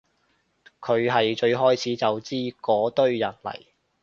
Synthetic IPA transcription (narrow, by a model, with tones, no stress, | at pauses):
kʰɵ˨˧ɥɦɐ˨jt͡ʃɵ˧ɥɦɔː˥jt͡sʰiː˨˥t͡sɐ˨wt͡siː˥kɔː˨˥t̪ɵ˥ɥjɐ̰˨˩nlɐ̰˨˩j